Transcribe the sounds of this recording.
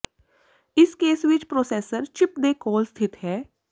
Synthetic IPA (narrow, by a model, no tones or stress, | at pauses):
ɪskeːsʋɪt͡ʃpɾoːseːsəɾt͡ʃɪpd̪eːkɔːlst̪ʰɪt̪ɦɛː